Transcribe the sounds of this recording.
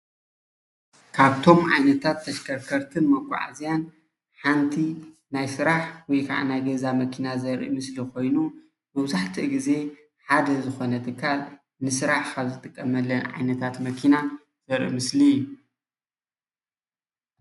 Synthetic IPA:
kʰaβt̪ʰo̞mʕa̰jnɐt̪ʰat̪ʰːɐʃkʰɐɾkʰɐɾt̪ʰɨnmɐɡʷʼṵʕa̰zijan | ħant̪ʰi | najsɨɾaħwɔjkʰa̰ʕa̰najɡɐzamɐkʰinazɐɾʔḭmɨslikʰo̞jnu | bɐwzaħt̪ʰɨʔɡize̞ | ħad̪ɐzɨxo̞nɐt̪ʰɨkʰːal | nɨsɨɾaħkʰaβzɨt̪ʰɨkʼːɐmɐlːɐnʕa̰jnɐt̪ʰat̪mɐkʰina | z̥ɐɾʔḭmɨsliju

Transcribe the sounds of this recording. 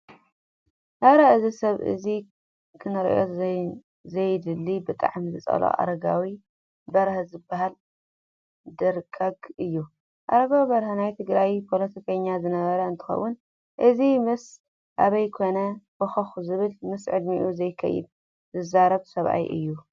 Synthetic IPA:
ʔaɾaɨzisɐβʔɨ̰zi | kʰɨnɐɾ̰ʔjo | zɐjd̪ɨlːibɨt̪ʼa̰ʕmizɨt͡sʼɐ̰lo̰ʔa̰ɾɐɡawi | bɐɾhzɨbːaɦal | d̪ɐɾkʼaɡɨjːu | ʔa̰ɾɐɡawbɐɾhanajt̪ʰɨɡɾajpʰo̞lɐt̪ʰikʰɐɲːazɨnɐβɐɾɐɨnt̪ʰɨ̥xɐ̰wːʊn | ʔɨzimɨs | ʔaβɐjkʰo̞nɐb̥ɨxɐxzɨβɨlmɨsʕɨd̪miʔuzɐjkʰɐ̰jɨ̰d̪̚ | zɨzaɾɐβsɐβʔa̰jʔɨ̰jːu

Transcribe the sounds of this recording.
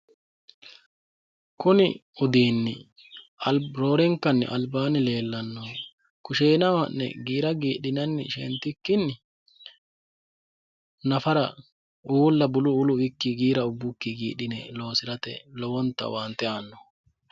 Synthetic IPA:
kʊnɪʊd̪iːnːɪ | ɐlɾo̞ːɾɛŋkːɐnːɪ̰ʔɐlbaːnɪle̞ːlːɐnːɔ | kʊʃeːnɐwɐnːɛ̰ɡiːɾɐɡiːɗɪnɐnːɪʃɛ̰nt̪ːɪkːɪnːɪ | nɐfɐɾɐ | uːlːɐbʊlʊʊlʊwɪkːɪɡiːɾɐʊbːʊkːɪɡiːɗɪnɛlo̞ːsɪɾɐt̪ɛ̰lɔwɔnt̪ːɐ̰want̪ːɛaːnːɔ̥

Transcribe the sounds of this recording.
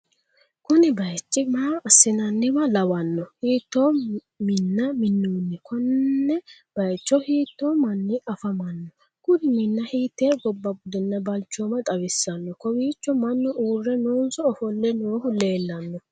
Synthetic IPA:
kʊnɪbɐjt͡ʃːɪmaːɐsːɪnɐnːɪbɐlɐwɐnːɔhiːt̪ːo | mɪnːɐmɪnːuːnːɛkɔnːɛ | b̥ɐjt͡ʃːɔhiːt̪ːoːmɐnːɪʔɐfɐmɐnːɔ | ɡ̥ʊd̪ɪmɪnːɐhiːt̪ːeɡɔbːɐbʊd̪ɛnːɐbɐlt͡ʃːomɐt̪ʼɐwɪsɐnːɔkɔwiːt͡ʃːɔmɐnːɔʔuːrːɛnoːnsɔːfɔlːɛnoːhʊle̞ːlːɐnːɔ

